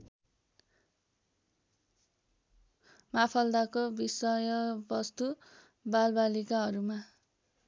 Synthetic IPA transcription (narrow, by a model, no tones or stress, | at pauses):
mapʰʌld̪akobisʌjʌbʌst̪u | balbalikaɦʌɾuma